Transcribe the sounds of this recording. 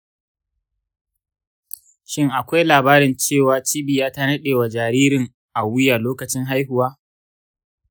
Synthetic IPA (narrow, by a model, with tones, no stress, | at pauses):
ʃɪ˦ŋʔa˨kʷa˦jlaː˨baː˦ɾɪ˨nt͡ʃeː˦˨waː˨t͡ʃiː˦bi˨jaː˦ta˦nɐ˦ɗeː˨wa˨d͡ʒaː˨ɾiː˦ɾɪ˨ŋ | ʔa˨wʊ˦ja˨loː˦kɐ˨t͡ʃɪ˦ŋɦa˦jɦʊ˨waː˦